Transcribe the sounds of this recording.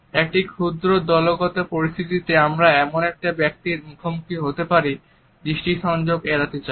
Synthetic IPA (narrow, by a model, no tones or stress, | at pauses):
ek̚ʈikʰud̪ɾod̪ɔloɡɔt̪epoɾist̪ʰit̪it̪eamɾaɛmonɛk̚ʈabɛk̚t̪iɾmukʰomukʰiɦot̪epaɾi | b̪ɾiʃʈiʃɔnd͡ʑoɡeɾat̪et͡ɕa